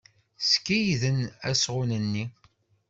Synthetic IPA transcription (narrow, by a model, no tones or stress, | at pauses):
skːijðənæ̰sʁʊnənːi